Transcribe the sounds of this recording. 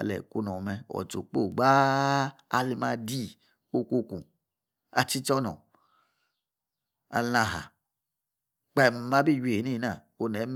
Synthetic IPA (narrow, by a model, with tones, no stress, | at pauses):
a˨lɛ̰˨ku˦nɔ˨mɛ˧ɔ̰˨to˨k͡po˦˨ɡ͡baː˦ | li˦ma˧di˦ | o˦ku˧kṵ̃˨ | a̰˨t͡ʃi˦t͡ʃɔ˦nɔ̰˨ | a̰˨lã˧ɦa̰˨ | k͡pa˦˨m˨ma˦bi˦˨ji˨i˨˦nĩ˦˨na˨ | o˧nɛ˨˦m